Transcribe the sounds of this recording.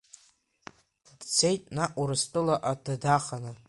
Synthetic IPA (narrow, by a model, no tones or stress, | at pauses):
dt͡sʰe̞jtʼnaʔʷuɾɨstʼɨlaʔadadaχanɨ